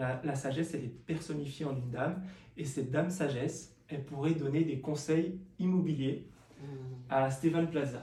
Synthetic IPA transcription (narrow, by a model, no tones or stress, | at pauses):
alasaʒɛsɛlɛpɛʁsɔnifjeɑ̃nynd̪am | esɛt̪̚d̪amsaʒɛs | ɛlpuʁɛd̪ɔned̪ekɔ̃sɛjimɔbilje | ast̪efanplaza